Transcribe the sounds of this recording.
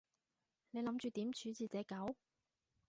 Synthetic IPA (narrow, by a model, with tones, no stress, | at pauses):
ne˨˧jlɐ˨˥mt͡ʃyː˨˧t̪iː˨˥mt͡ʃʰyː˨˥t͡siː˨˧t͡sɛː˨˥kɐ˨˥w